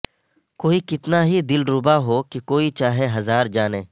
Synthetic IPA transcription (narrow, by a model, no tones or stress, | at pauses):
koːikɪt̪naɦid̪ɪlɾʊbaɦoːkikoːit͡ʃaːɦeɦɐzaːɾd͡ʒaːneː